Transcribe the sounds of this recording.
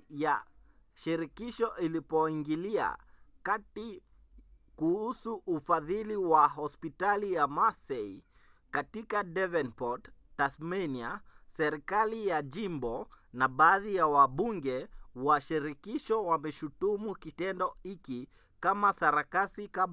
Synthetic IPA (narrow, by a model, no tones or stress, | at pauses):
ja | ʃiɾikiʃɔʔilipɔiŋɡilia̰kati | kuhusuʔːfaðiliwaɦɔspitalijamasɛi | katikaɗɛvɛnpɔttːaθmɛniasɛɾikalijaʄimbɔ | naɓaːðijawaɓuŋɡɛwaʃiɾikiʃɔwamɛʃutumukitɛndɔiki | kamasaɾakasika